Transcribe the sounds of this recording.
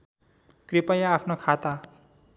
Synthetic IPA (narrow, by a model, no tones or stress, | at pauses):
kripajaːpʰnokʰat̪a